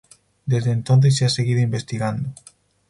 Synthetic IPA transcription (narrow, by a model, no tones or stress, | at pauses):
d̪ezðent̪õnθ̬esːease̞ɣiðoimbe̞st̪iɣand̪o